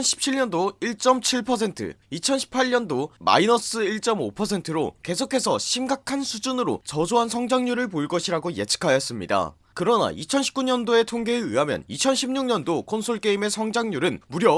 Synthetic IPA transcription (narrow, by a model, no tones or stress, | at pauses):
nɕʰi̥p̚t͡ɕʰiɭɲʌndoiɭt͡ɕ͈ʌmt͡ɕʰiɭpʰʌs̬ʰe̞ntʰɯ̰it͡ɕʰʌnɕʰi̥pʰaʎɲʌndoma̰inʌs͈ɯiɭt͡ɕ͈ʌmopʰʌsʰe̞ntʰɯɾo̰ke̞sʰokʰe̞sʰʌɕʰimɡakʰansʰud͡ʑunɯɾo̰t͡ɕʌd͡ʑoɦansʰʌŋd͡ʑaŋɲuɾɯɭpoiɭk͈ʌɕʰiɾaɡoje̞̰t͡ɕʰɯ̥kʰajʌs͈ɯmɲida̰ | kɯɾʌna̰ʔit͡ɕʰʌnɕʰi̥pk͈uɲʌndoe̞tʰoŋɡe̞ːɯɦamjʌ̰nit͡ɕʰʌnɕʰimɲuŋɲʌndokʰonsʰoɭk͈e̞ime̞sʰʌŋd͡ʑaŋɲuɾɯnmuɾjʌ